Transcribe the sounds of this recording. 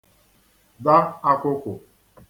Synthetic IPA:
da˦a˦kʷʊ˦kʷʊ˨

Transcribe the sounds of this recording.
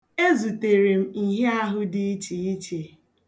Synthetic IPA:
e˦zu˨te˨ɾe˨m̩˦i˨ɦe˦a˦ɦʊ˦dɪ˦i˦t͡ʃi˨i˦t͡ʃe˨

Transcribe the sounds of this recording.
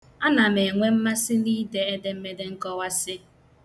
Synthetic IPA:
a˦na˨me˨ŋʷe˦m̩˦ma˦sɪ˦niː˦de˦e˦de˦m̩˦me˦de˦ŋ̩˦kɔ˦wa˦sɪ˦

